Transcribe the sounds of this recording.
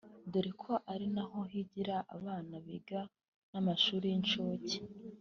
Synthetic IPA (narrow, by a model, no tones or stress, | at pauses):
deɾikʰo̞ʔaɾinaɦo̞hiɟiɾaʔaβaːnaβiɡa | namaʃuːɾijint͡ʃoːci̥